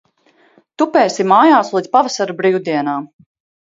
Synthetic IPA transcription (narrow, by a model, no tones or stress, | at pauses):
t̪upɛːsimaːjaːslˠiːd̪sʲpavasaɾubɾiːwd̪iɛnaː